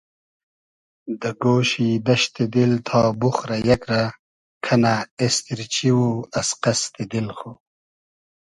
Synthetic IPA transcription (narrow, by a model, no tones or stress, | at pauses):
d̪əɡoːɕid̪ɐɕt̪id̪ilt̪ʰɑːbuxɾajɐkɾa | kʰɐnaest̪iɾt͡ɕiwuɐsqɐst̪id̪ilxo